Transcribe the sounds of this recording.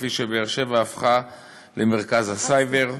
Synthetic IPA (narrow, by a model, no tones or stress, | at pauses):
fiʃebeːʁʃe̞vaːfχa | lemeʁkazasajveʁ